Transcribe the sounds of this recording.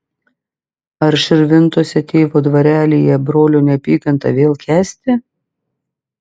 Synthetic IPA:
ɐɾʃʲɪɾʲʋʲɪnt̪uɔsʲɛt̪ʲeːʋoːd̪ʋɐɾʲæːlʲijɛbɾoːlʲoːnʲɛpʲiːkɐnt̪ɐ̰ʋʲeːlˠkʲæːsʲt̪ʲɪ

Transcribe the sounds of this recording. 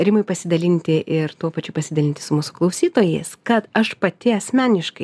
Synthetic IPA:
ɾʲɪmɐɪpɐsʲɪd̪ɐlʲɪnʲt̪ʲɪʔɪɾt̪uɔpɐt͡ʃʲʊpɐsʲɪd̪ɐlʲɪnʲt̪ʲɪ̥sʊmuːsʊ̥klˠɐʊsʲiːt̪oːjḛːskɐt̪ɐʃpɐt̪ʲɪɐsʲmʲæːnʲɪʃkɐɪ

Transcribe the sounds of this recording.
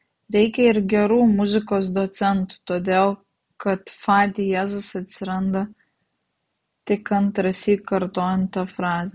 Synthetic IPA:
ɾʲɛɪkʲɛɪɾɡʲɛɾuːmʊzʲɪkoːs̬d̪oːt̪sʲɛnt̪ʊ̥t̪oːd̪ʲeːlˠ | kɐt̪fɑːd̪ʲɪjæːzʊsɐt̪ʲsʲɪɾɐnd̪ɐ | t̪ʲɪkɐnt̪ɾɐsʲiːtkɐɾt̪oːjɛnt̪t̪ɐfɾɑːzʲɛ

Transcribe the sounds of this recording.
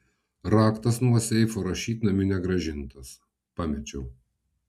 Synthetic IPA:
ɾɑːkt̪ɐsnuɔsʲɛɪfoːɾɐʃʲiːt̪ʲnɐmʲɪnʲɛɡɾɐʒʲɪnt̪ɐs | pɑːmʲɛt͡ʃʲɛʊ

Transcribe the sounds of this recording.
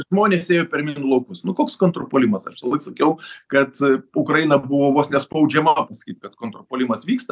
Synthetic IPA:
ʒmoːnʲeːseːjoːpʲɛɾmʲɪnʊlˠɐʊkʊsnʊkoːkskoːnt̪ɾopoːlʲɪmɐsɐ̰ʃʋʲsɐlˠɐɪksɐkʲɛʊkɐt̪ʊkɾɐjɪnɐbʊʋoːʋoːsnʲɛspɐʊd͡ʒʲɛmɐpɐsɐ̥kʲiːt̪kɐt̪koːnt̪ɾopoːlʲɪmɐsʋʲiːkst̪ɐ

